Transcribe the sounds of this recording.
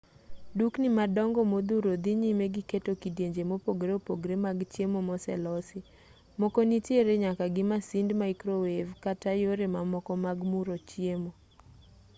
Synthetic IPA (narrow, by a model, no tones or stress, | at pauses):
duknɪmadɔŋɡɔmod̪uɾod̪iɲimeɡɪketokidjeɲd͡ʒemopoɡɾeopoɡɾemaɡt͡ʃjemomɔsɛ̰lɔsɪ | mɔkɔnitjeɾeɲakaɡɪmasindmaikɾowevkatajoɾemamɔkɔmaɡmuɾot͡ʃjemo